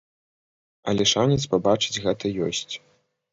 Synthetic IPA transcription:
ɐ̰lʲɛʂanʲɛt̪spabat͡ʂɨ̥d͡zʲɣɛt̪ɐjɔ̰sʲt͡sʲ

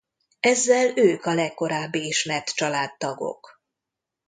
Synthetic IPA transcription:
ɛzːɛløːkɒlɛkːo̞ɾaːbːiiʃmɛt̪t͡ʃɒlaːt̪ːɒɡo̞̰k

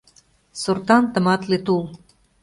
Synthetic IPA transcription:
sort̪ɑnt̪ə̆mɑt̪let̪ulˠ

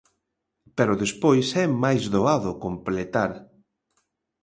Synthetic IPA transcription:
pɛɾʊðespojsɛmajzðoaðʊkomplet̪aɾ

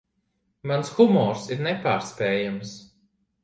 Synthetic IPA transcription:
mansxumɔːɾsiɾnepaːɾspɛːjams

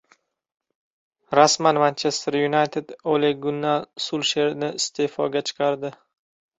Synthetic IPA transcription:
ɾasmanmant͡ʃʰest̪eɾjunajt̪ʰed̪oleɡʊnːalsulˠʃeɾnɪɪst̪ʰe̞fɒɡʲat͡ʃʰɨ̥qʰɑɾd̪ɪ

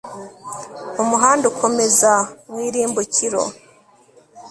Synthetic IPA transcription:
umuɦaːndukʰo̞me̞zamwiːɾiːmbucʰiɾo̰

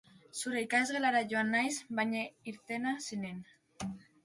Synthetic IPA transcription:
suɾeikazɣelaɾaʝoanːajsβajɲaiɾt̪e̞nasinen

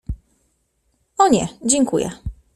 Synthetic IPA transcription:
ɔɲɛ̰d͡ʑɛŋkujɛ̰

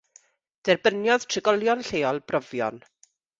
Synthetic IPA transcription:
d̥ɛrbənjɔðtʰrɪɡɔlˠjɔnɬeːɔlˠb̥rɔvjɔ̰n

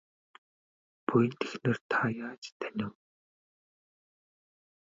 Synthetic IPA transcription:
pujɘ̆nt̪ʰexneːrt̪ʰajaːt͡ɕt̪ʰanʲɪ̆w

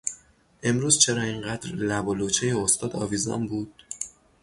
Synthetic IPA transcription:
ʔe̞mɾuːz̥t͡ʃʰe̞ɾɒːiŋɢæːd̪ɾlæbolot͡ʃʰejeost̪ɒːd̪ɒ̰ːviːzɒ̰nbuːd̪̥̚

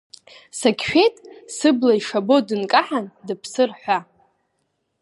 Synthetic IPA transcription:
sakʲʰʃᶣejtʼsɨblaiʂabodɨnkʼaħandɨpʰsɨrħʷa

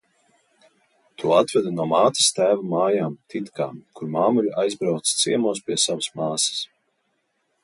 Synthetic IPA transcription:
t̪ʰuɔat̪vɛd̪nuɔmaːt̪i̥st̪æːvumaːjaːmt̪ʰit̪ka̰ːkuɾmaːmuʎʲajzbɾawt̪st̪siɛmuɔspʲiɛsavɐsmaːsɐ̥s

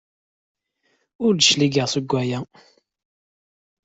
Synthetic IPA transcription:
ʊɾd̪ʃliɡəʁsəɡʷːæjæ

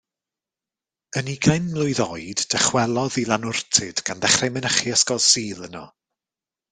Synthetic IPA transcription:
əniɡajnmlˠʊɨðɔjd̥d̥ɛχwɛlˠɔðilˠanʊrtʰɪd̥ɡ̥anðɛχrɛmɪnəχiəskɔsiːlˠənɔ̰

